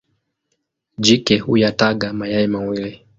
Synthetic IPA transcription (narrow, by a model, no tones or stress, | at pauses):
d͡ʒikɛhujataɠamajaimawili